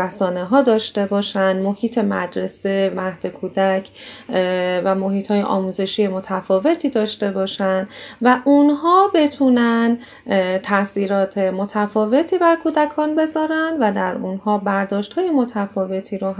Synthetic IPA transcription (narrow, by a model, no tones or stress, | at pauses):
æsɒːne̞ɦɒːd̪ɒːʃt̪e̞bɒːʃænmo̞hiːt̪ʰe̞mæd̪ɾe̞se̞mæhd̪̥e̞kʰuːd̪æcʰ | væmoɦiːt̪ʰhɒːje̞̰ʔɒ̰ːmuːze̞ʃiːje̞mo̞t̪ʰæfɒːve̞t̪ʰiːd̪ɒːʃt̪e̞bɒːʃænvæʔunɦɒːbe̞t̪ʰunæn | t̪ʰæsiːɾɒːt̪ʰe̞mot̪ʰæfɒːve̞t̪ʰiːbæɾkʰuːd̪ækʰɒːnbe̞zɒːɾænd̪væd̪æɾunɦɒːbæɾd̪ɒːʃt̪hɒːje̞mo̞t̪ʰæfɒːve̞t̪ʰiːɾo